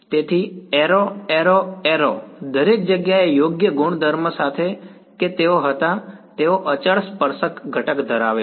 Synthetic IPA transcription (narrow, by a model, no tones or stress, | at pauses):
t̪et̪ʰieɾoeɾoeɾod̪əɾek̚d͡ʒəɡjaejoɡjəɡʊɳ̃d̪ʱəɾməsat̪ʰe | ket̪eoɦət̪at̪eoʔət͡ʃəɭspəɾsəkɡʱəʈəkd̪ʱəɾaʋe